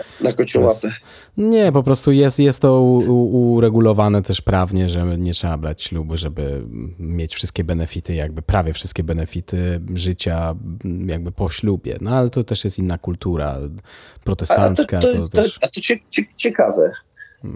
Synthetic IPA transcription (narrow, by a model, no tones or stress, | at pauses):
nakɔt͡ɕuat̪ɛ | ɲɛpɔpɾɔst̪ujɛst̪jɛst̪ːɔuuɾɛɡulɔvanɛt̪ɛʂpɾavɲɛʐɛɲɛtʂɛbabɾat͡ɕɕlubʐɛbɘ̰mʲjet͡ɕfʂɨst̪kʲɛbɛnɛfʲit̪ɘjaɡ̚bɘpɾavʲjɛfʂɨst̪kʲɛbɛnɛfʲit̪ɘʐɘt͡ɕa | jaɡ̚bɘpɔɕlubʲjɛ̰nɔalɛt̪ɔt̪ɛʂjɛst̪inːakult̪uɾa̰pɾɔt̪ɛst̪ant̪skat̪t̪ɔt̪ɔʂat̪ɔt͡ɕɛt͡ɕɛt͡ɕɛkavɛ